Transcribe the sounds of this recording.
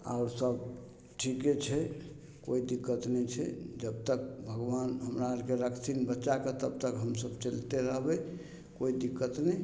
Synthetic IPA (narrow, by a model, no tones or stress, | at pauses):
a̰ʊɾsəb | ʈʰiket͡ʃʰɛ | koid̪ikːət̪nɛt͡ʃʰɛ̰d͡ʒəb̚t̪ək̚bʱəɡbanɦəmɾaəɾkeɾəkʰt̪ʰinbətːt͡ʃaket̪əb̚t̪əkɦəmsəbt͡ʃəlt̪eɾəɦbɛ | koid̪ikːət̪nɛ